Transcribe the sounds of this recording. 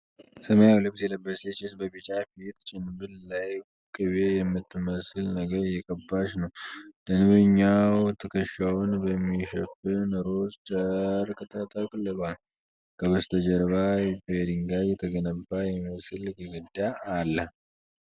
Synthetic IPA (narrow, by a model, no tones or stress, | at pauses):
səməjawlɨb̚sjɛləbːəset͡ʃɪsbəbit͡ʃʼafit̪t͡ʃʼɪnbɨllaj | kʼɨβejɛmːɨt̪ːɨməsɨlnəɡəɾjɛkʼəbːaʃnəwd̪̥ənɨβɨɲːawt̪ʰəkʰəʃawʊnbəmːiʃɛfɨnɨɾost͡ʃʼəɾkʼət̪ʰʼat̪ʼakʼɨlːɨβal | kʰəβəst̪ʰəd͡ʒəɾβajbeɾiŋɡajjɛt̪ʰəɡənəbːajɛməsɨlɡɨɡɨd̪aːlːə